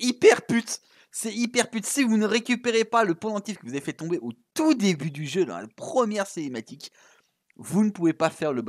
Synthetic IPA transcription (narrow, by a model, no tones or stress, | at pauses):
ipɛʁpyt̪ | sɛipɛʁpyt̪sivunəʁekʲypeʁepaləpolɑ̃t̪ifkəvuzavefɛt̪ɔ̃beʔot̪ud̪ebyd̪yʒød̪ɑ̰̃la̰pχəmjɛʁsenemat̪ik | vunəpuvepafɛʁləb